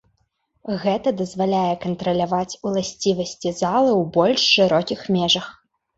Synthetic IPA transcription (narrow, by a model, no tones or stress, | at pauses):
ɣɛt̪ɐd̪ɐzvalʲajɛkɐnt̪ɾɐlʲavat͡sʲulˠasʲt͡sʲivɐsʲt͡sʲizalˠɨwbɔlʲʂːɨɾɔkʲixmʲɛʐɐx